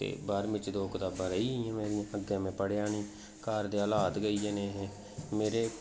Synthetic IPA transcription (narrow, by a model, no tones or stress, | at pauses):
ḛːbaːɾmɪt͡ʃd̪oːkd̪aːbaːɾəiːiːãːmeːɾɪjãːəɡãːmɛ̃ːpəɽeaːɳ̃iː | kaːɾd̪eːəlaːd̪ɡəiːeneːɦeː | meːɾeː